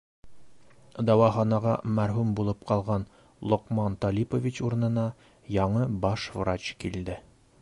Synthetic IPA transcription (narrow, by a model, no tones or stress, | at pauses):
d̪ɒwɑχɑnɑʁɑmæɾɦʉmbulˠɤp̚qɑlˠʁɑn | lˠŏqmɑnt̪ɒlʲipovʲit͡ɕuɾɤ̆nɤ̆nɑ | jɑɴɤbɑʃvrat͡ɕkild̪ɘ